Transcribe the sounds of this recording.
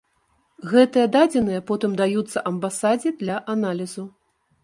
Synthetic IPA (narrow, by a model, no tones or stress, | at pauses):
ɣɛt̪ɨjɐd̪ad͡zʲɛnɨjɐpɔt̪ɨmd̪ajut̪sːɐʔɐmbasad͡zʲid̪lʲɐʔanalʲizu